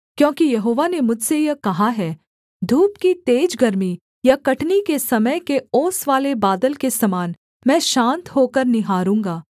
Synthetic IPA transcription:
kjõːkijɐɦoːʋanemʊd͡ʒʱsejɛkɐɦaɦɛː | d̪ʱuːpkit̪eːd͡ʒɡɐɾmi | jakɐʈnikesɐməjkeoːsʋaːlebaːd̪əlkesɐmaːn | mɛ̃ːʃãːnt̪ɦoːkəɾnɪɦaːɾũːŋɡaː

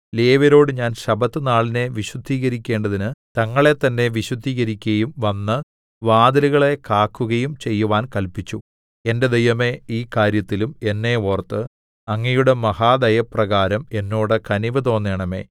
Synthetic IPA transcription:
leːʋɐɾo̞ːɽɨɲaːnɕɐbɐt̪ːɨnaːɭine̞ʋiɕwud̪ʱːiːɣɐɾikʲːe̞ːɳɖɐðinɨt̪ɐŋːɐɭe̞t̪ːɐnːe̞ʋiɕwud̪ʱːiːɣɐɾikʲːɐjumʋɐnːɨ | ʋaːd̪ɐluɣɐɭe̞kaːkːuɣɐjumt͡ɕe̞jːuʋaːnkɐlpit͡ɕːu | e̞nde̞d̪ejʋɐme̞iːkaːɾjɐt̪ːilume̞nːe̞ːort̪ːɨ | ɐŋːɐjuɽe̞mɐhaːd̪ɐjɐprɐɣaːɾɐme̞nːo̞ːɽɨkɐniʋɐt̪̬o̞ːnːeːɳɐme̞̰ː

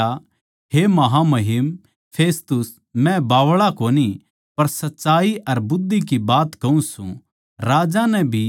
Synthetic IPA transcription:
a | ɦemɐɦamɐɦɪm | pʰeːst̪ʊs | mɛ̃baːʋɭakoːni | pɐɾsɐtːʃaːiʔɐɾbʊd̪ʱːikibaːt̪kɐũsṵ̃ | ɾaːd͡ʒanɛ̃bʱi

